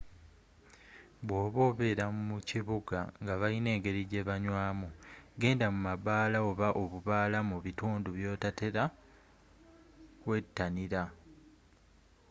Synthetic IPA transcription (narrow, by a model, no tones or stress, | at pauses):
βwo̞ːβo̞ːβe̞ːɾammuciβuɡa̰ŋɡaβaine̞ːŋɡe̞ɾiɟe̞βaɲwaːmuɡe̞ːndamumaβaːlaoβaʔo̞βuβaːlamuβituːnduβjo̞ːtate̞ɾa | kwe̞tːaniɾa